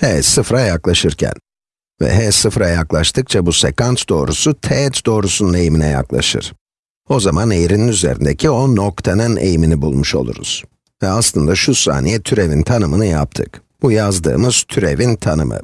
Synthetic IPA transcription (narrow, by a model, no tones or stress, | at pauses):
hɛsɯfɾajaklˠaʃɯɾcʰæ̰n | vɛ̰ɦɛsɯfɾajaklˠaʃt̪ʰɯk̚t͡ʃʰabusekant̪d̪o̞ːɾusut̪ʰɛt̪d̪o̞ːɾusunune̞jiminɛja̰klˠa̰ʃɯ̰ɾ̥ | o̞zamanejɾininyze̞̰ɾḭnd̪ecʰio̞no̞kt̪ʰanɯnḛjiminibulˠmuʃo̞̰lˠṵɾṵz̥ | vɛaslˠɯnd̪aʃusa̰ːnijɛt̪ʰyɾe̞vint̪ʰanɯmɯnɯja̰p̚t̪ʰɯ̰k | b̥ujazd̪ɯ̰ːmɯz̥t̪ʰyɾe̞vint̪ʰanɯ̰mɯ̰